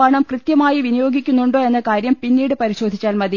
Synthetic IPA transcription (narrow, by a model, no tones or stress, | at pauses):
ɐːɳɐmkrɨt̪jɐmaːjiʋinijo̞ːɡikʲːunːuɳɖoːe̞nːɐkaːɾjɐmpinːiːɽɨpɐɾiɕo̞ːd̪ʱit͡ɕːaːlmɐði